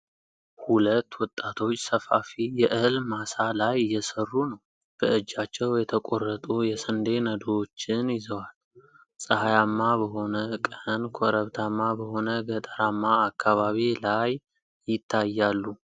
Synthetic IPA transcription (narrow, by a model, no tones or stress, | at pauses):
hulət̪ːwɔt̪ʼːat̪ʰo̞t͡ʃːsəfafijɛʔɨlmasalajjɛsərːunəw | b̥əɨd͡ʒːat͡ʃːɛwjɛt̪ʰəkʼorːət̪ʼujɛsənd̪e̞nəd̪ot͡ʃːɪnjɪzəwal | sʼəhajamːabəɦo̞nəkʼənkʰoɾəβt̪ʰamːabəho̞nəɡət̪ʼəɾamːaːkʰːaβaβilaj | jɪt̪ʰːajːalːu